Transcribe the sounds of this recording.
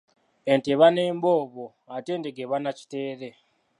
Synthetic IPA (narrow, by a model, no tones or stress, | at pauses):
e̞nteβaneːmbo̞ːβo | ate̞ːndeɡeβanaci̥te̞ːɾe